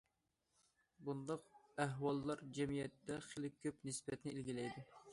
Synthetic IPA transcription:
bund̪ɑqæɦwɑlˠːɑɾd͡ʒɛmijɛt̪ːɛχelɪk̚ʲʰːøpnɪsbɛt̪nɪilɡʲilɛjd̪ɪ

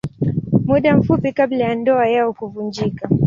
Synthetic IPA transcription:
muɗam̩fupikablajandɔajaɔkuvund͡ʒika

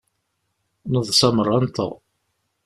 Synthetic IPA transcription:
nəðˤsɑmərˤːɑnt̪ə̰ʁ

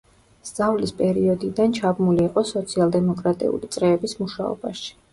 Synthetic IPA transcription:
sd̪z̥avlispʼɛɾiɔd̪id̪ant͡ʃʰabmuliɛqʼɔsɔt̪sʰialˠd̪ɛmɔkʼɾat̪ʼḭṵlit̪sʼɾɛːbismuʃaɔ̰baʃi̥

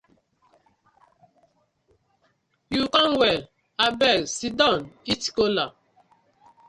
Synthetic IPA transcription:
jukɔŋwɛl | abɛlsidɔniti̥kola

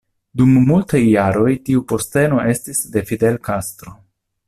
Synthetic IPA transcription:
dumːultajːaɾo̞jtiupo̞ste̞no̞ʔe̞stisde̞fide̞lkastɾo̞

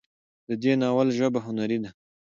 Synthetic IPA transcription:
d̪əd̪enɑwalʒəbaɦʊnaɾid̪a

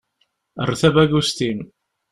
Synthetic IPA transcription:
ə̰rːθævæɡust̪im

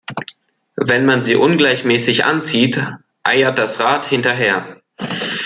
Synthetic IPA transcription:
vɛnmanziːʔʊnɡlaɪçmɛːsɪçʔa̰nt͡siːt | ʔa̰ɪɐt̚d̥asʁaːthɪntɐɦeːɐ

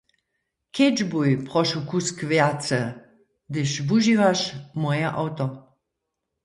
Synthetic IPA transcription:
kʰed͡ʒbujpʁɔʃukuskvjat͡sə | d̪ɪʃvuʒivaʃmɔjaʔawt̪ɔ

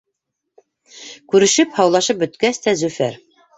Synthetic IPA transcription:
kʉɾɘ̆ʃɘphɑwlˠɑʃɤp̚bɵ̆t̪kæst̪æzʉfæɾ

